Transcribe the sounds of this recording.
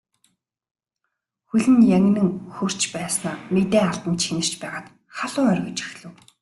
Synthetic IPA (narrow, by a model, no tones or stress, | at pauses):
xɵɮʲɘ̆njæŋ̆ʲnɘ̆ŋxɵr̥t͡ɕpæːsnaːmet̪eːaɮt̪ə̆nt͡ɕʰxinɘ̆r̥t͡ɕpæːʁaːt̪ | χaɮʊːœrɣɵ̆t͡ɕĭ̥xɮɘ̆w